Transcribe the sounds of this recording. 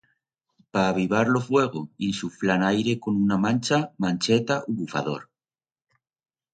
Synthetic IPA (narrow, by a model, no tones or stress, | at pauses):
paːβ̞iβ̞aɾlofwe̞ɣ̞oinsuflanajɾe̞ko̞nunamãnt͡ʃamãnt͡ʃet̪aʔuβufa̰ðo̞̰ɾ